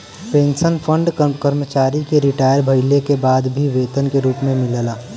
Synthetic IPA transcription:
pẽːnsənpʰə̃ɳɖkəɾmət͡ʃaːɾikeɾɪʈaːjəɾbʱɐɪlekebaːd̪bʱiʋeːt̪ənkeɾuːpmẽmɪləlaː

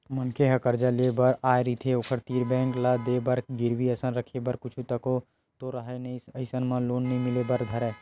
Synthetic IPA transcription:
mənkʰeɦɐkəɾd͡ʒaleebɐɾaːjeɾit̪ʰeoːkʰəɾt̪iːɾbɛ̃ːŋklad̪eːbɐɾɡɪɾʋiɐsə̃nɾəkʰebɐɾkʊt͡ʃʰut̪ɐko | t̪oɾɐɦajnɐisəɪsənmãloːnːɐɦĩmɪlebɐɾd̪ʱɐɾɛː

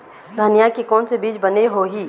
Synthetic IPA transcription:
d̪ʱənijakikɔːnsebiːd͡ʒbɐneɦoɦiː

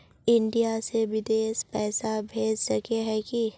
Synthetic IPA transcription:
ɪ̃ɳɖijaseʋɪd̪eːspɛːsabʱeːd͡ʒsɐkeɦɛki

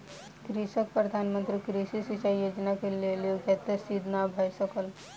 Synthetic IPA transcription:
kɾisək̚pɾəd̪ʱanmə̃nt̪ɾikɾisisisəjoːd͡ʒnakeleloɡʰʱət̪esid̪ʱnabʱəjsəkəl

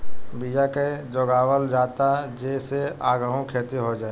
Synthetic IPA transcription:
bid͡ʒaked͡ʒoːɡaːwəld͡ʒaːt̪ad͡ʒeːseaːɡəɦõkʰeːt̪eɦod͡ʒaːe

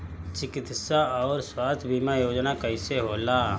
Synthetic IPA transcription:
t͡ʃɪkɪt̪saɔːɾswaːst̪ʰbʱiːmajoːd͡ʒnakɐiseɦoːlaː

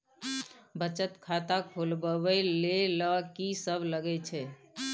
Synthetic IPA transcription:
bət͡ʃət̪kʰat̪akʰolbəbɛleləkisəbʱləɡɛt͡ʃʰɛ

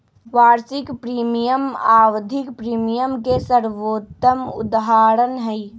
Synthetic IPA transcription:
ʋaːɾsɪkpɾiːmijəmaːwd̪ʱɪkpɾiːmijəmkesəɾʋoːt̪ːəmʊ̰d̪ɦaːɾənɦɛi

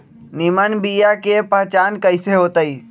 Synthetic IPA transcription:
nimənbijakepəɦt͡ʃaːnkəɪseɦoːt̪əi

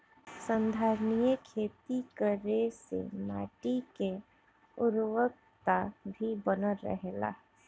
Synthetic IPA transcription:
sə̃nd̪ʱaːɾnijəkʰeːt̪ikəɾesḛma̰ːʈike | ʊɾwək̚ | t̪abʱibənəɾə̰ɦela̰ɦ

